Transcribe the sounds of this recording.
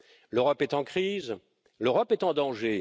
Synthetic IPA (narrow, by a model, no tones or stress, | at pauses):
løʁɔpɛt̪ɑ̃kχiz | løʁɔpɛt̪ɑ̃d̪ɑ̃ʒe